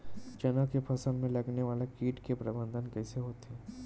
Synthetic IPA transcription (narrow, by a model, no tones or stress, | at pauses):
t͡ʃɐnəkepʰɐsəlmẽlɐɡneʋaːlekiːʈkepɾɐbə̃nd̪ʱənkɛːseɦoːt̪ɦɛː